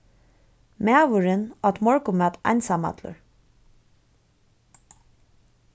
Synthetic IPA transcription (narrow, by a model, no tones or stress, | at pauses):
mæːʋʊɹɪnɔt̪mɔɹkʊmœt̪ɑ̰nsama̰t̪lʊ̰ɹ